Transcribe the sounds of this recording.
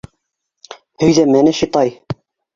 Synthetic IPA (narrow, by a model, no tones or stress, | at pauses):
hɵ̆jðæmænæʃit̪ɑj